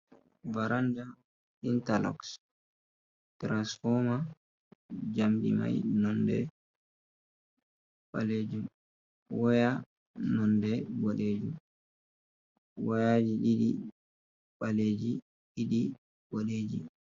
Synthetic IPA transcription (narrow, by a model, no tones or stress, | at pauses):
vaɾanda | intalɔ̰ks | tɾansfɔma | d͡ʒamdḭma̰jnɔndɛ̰ | ɓaled͡ʒum | waja | nɔndɛboɗeːd͡ʒum | wajad͡ʒiɗiɗi | ɓaleːd͡ʒi | ɗiɗi | boɗeːd͡ʒḭ